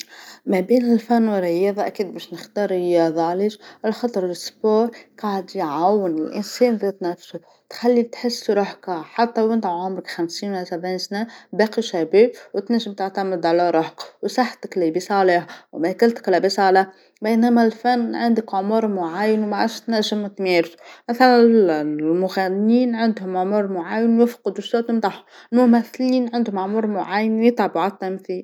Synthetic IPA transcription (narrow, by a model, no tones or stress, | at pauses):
mæbeːnɪlfanːwɪrːɪjɑːðˤɑʔakiːd̪̚bæːʃnɪxt̪ɑːɾˤɪjɑðˤɑliʒʔɪlxɑt̪ˤɾˤlɪsboːɾˤqɑʕd̪ijʕawːɪnɪlʔɪ̰nseːnðeːt̪næfʃʊ | t̪xalːit̪ħɪsːɾˤoħkaħat̪ːawɪnt̪aʕʕʊmɾɪkxamsiːnwɪlsabʕiːnsnebæːqiʃæbiːbwt̪naʒɪmt̪aʕt̪amɪd̪ʕalaɾˤoħkwsaħt̪ɪklibisˤɑːleːhwmækalt̪ɪ̥klæbisˤɑːla | bajnæmælfanːʕand̪ɪkʕʊmʊɾˤmʊʕaːjːɪnwmaʕa̰ʃt̪næʒːɪmt̪meːɾsu̥mæθalanlmʊɣænːiːnʕɪnd̪hʊmʕʊmuːɾˤmʊʕaːjːɪnwjɪfqd̪ʊst̪uːɾt̪ɪnd̪ˤɑħʊ | lmʊmæθliːnʕɪnd̪hʊmaʕmuːɾˤmʊʕaːjːɪnwjɪt̪ˤʕɑbuʕat̪ːæmθiːl